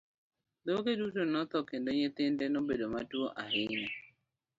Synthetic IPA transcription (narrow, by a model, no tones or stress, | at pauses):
d̪okedutonɔt̪ɔkendoɲet̪ɪndɛnobedomatwoʔaɦɪɲɔ